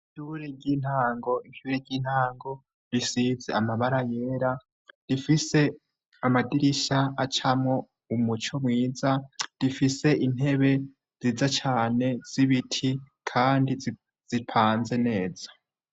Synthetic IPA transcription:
iʃuɾeɟiːn̥haːŋɡo̞iʃuɾeɾɟiːn̥haːŋɡo̞ | ɾisizḛamaβaɾaje̞ːɾa | d̥ifise̞ | amadiɾiʃaat͡ʃamŋo̞ | umut͡ʃo̞mŋiːzad̥ifise̞ʔin̥he̞βe̞ | z̥iːzat͡ʃaːne̞z̥iβitʰi | kʰaːndi | z̥ipʰaːnze̞ne̞ːzḁ

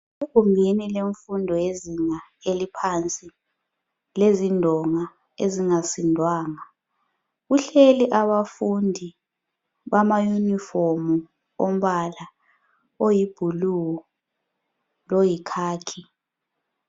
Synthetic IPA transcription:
ekumbʱinileɱfundʱɔjeziŋaelipʰant͡sʼi | lezindʱɔŋa | eziŋasindʱwaːŋa | ɣuɬeliʔaβafundʱi | βamajunifomu | om̩ɓala | ojib̥ʱuluwɔ | lojikʰaːkʰi

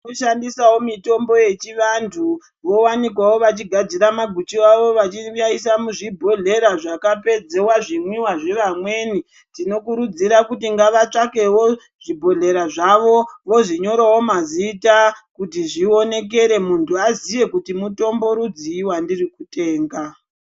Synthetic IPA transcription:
oʃandisawo̞mito̞mbo̞je̞t͡ʃiʋantʰu | ʋo̞wanikwawo̞ʋat͡ʃiɡʱad͡ziɾamaɡʱut͡ʃiaʋo̞ʋat͡ʃiaisamuʐibʱo̞ɮe̞ɾaʐakape̞d͡ze̞waʐimwiwaʐe̞ʋamwe̞ːni | tino̞kuɾud͡ziɾakutiŋɡaʋat͡ʂake̞wo̞ | ʐ̥ibʱo̞ɮe̞ɾaʐaʋo̞ʋo̞ʐiɲo̞ɾawo̞maziːtakutiʐio̞ne̞k̬e̞ɾe̞muntʰuazije̞kutimuto̞mbo̞ɾud͡ziwandirikute̞ːŋɡa

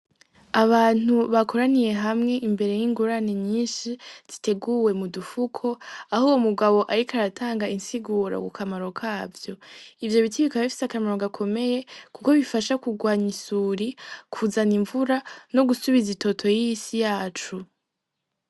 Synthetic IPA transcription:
aβaːn̥uβakʰo̞ɾanije̞ɦamŋe̞ʔimbe̞ɾe̞jiŋɡuɾaniɲiːnʃiz̥ite̞ɡuwe̞mudufukʰo̞ahuwomuɡaβo̞ʔaɾikaɾatʰaːŋɡainsiɡuːɾa̰kukʰamaɾo̞kʰaːvjo̞ivjo̞βitʰiβikaβifi̥sakamaɾo̞ɡakʰo̞me̞je̞kuko̞βifaʃakuɡwaːɲisuɾikʰuzaniɱvuɾano̞ɡusuβizitʰo̞tʰo̞jijisijaːt͡ʃu

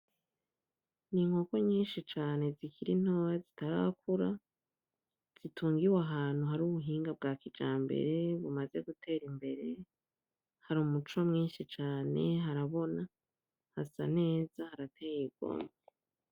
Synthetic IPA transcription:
niŋ̥hoko̞ɲiːnʃit͡ʃaːne̞zikiɾin̥oːjazitaɾa̰kuɾa | z̥itʰuːŋɡiwaɦaːn̥huɦaɾuːβuɦiːŋɡabɡaːkid͡ʒaːmbe̞̰ɾe̞βumaze̞ɡutʰe̞ːɾimbe̞ɾe̞ | haɾumut͡ʃo̞mŋiːnʃit͡ʃaːne̞̰ɦaɾaβo̞na | hasa̰ne̞ːzahaɾatʰeːjibɡo̰ːme

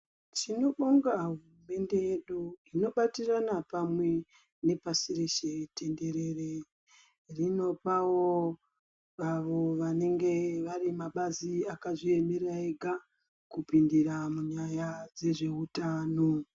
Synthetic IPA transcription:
t͡ʃino̞ɓoŋɡaɦurume̞nde̞je̞ɗuino̞ɓatiranapamwe̞ | ne̞pasireʃe̞tʰe̞nde̞ɾe̞re | rino̞pawo | ʋaʋo̞ʋane̞ŋɡe̞ʋarimaɓaziakaʐie̞meɾaeɡʱa | kupindiɾamuɲajad͡ze̞ʐe̞utaːno

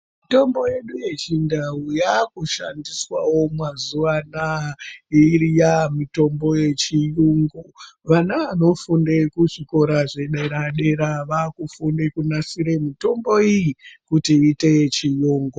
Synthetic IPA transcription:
mito̞mbo̞je̞ɗuje̞t͡ʃindaujakuʃa̰ndiswawo̞mwazuanairijamito̞mbo̞je̞t͡ʃijuŋɡoʋanaʋano̞fundekuʐiko̞ɾaʐe̞ɗeɾaɗe̞ɾaʋakufundekunasiɾe̞mito̞mbo̞ijikutiːte̞t͡ʃijuːŋɡo

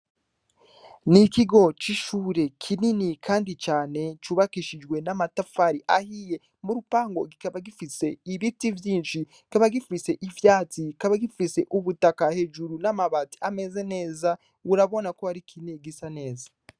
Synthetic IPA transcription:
nikiɡo̞t͡ʃiʃuːɾe̞kʰininikʰaːndit͡ʃaːne̞t͡ʃuβakiʃid͡ʒɡwe̞namatafaɾiʔahije | muɾupaːŋɡo̞ɡikaβaɡifise̞iβitivjiːnʃi | ikaβaɡifise̞ʔivjaːt͡sikaβaɡifise̞ʔuβutakahe̞ːd͡ʒuɾunamaβati̥ame̞ze̞ne̞ːza | uɾaβo̞nakoaɾikʰiniɡisane̞ːzḁ

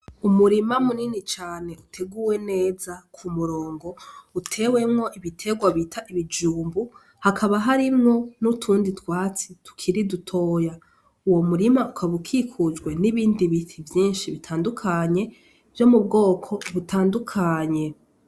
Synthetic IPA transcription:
umuɾimamuninit͡ʃaːne̞utʰe̞ɡuːwe̞ne̞ːzakʰumuɾo̞ːŋɡo̞utʰe̞we̞mŋo̞ʔiβitʰe̞ɡwaβitʰaʔiβid͡ʒuːmbu | hakʰaβaɦaɾimŋo̞nutʰuːnditwaːt͡situ̥kʰiɾidutʰo̞ja | uwo̞muɾimaukʰaβukʰikʰud͡ʒɡwe̞niβiːndiβitivjiːnʃiβitʰaːndukʰaɲe̞ | vjo̞mubɡo̞ːkʰo̞βutʰaːndukʰaːɲe̞

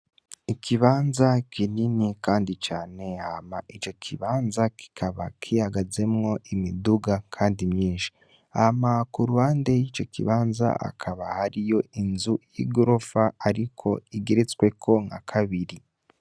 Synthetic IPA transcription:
ikʰiβaːnzakininikaːndit͡ʃaːne̞hamaʔit͡ʃo̞kʰiβaːnzaki̥kʰaβakʰihaɡaze̞mŋo̞ʔimiduɡakʰaːndimɲiːʃi̥ | amakuɾuhaːnde̞jit͡ʃo̞kʰiβaːnza̰a̰kʰaβahaɾijo̞inzujḭɡoɾo̞faaɾikʰo̞iɡeɾet͡skwe̞kʰo̞ŋa̰kʰaβiɾi

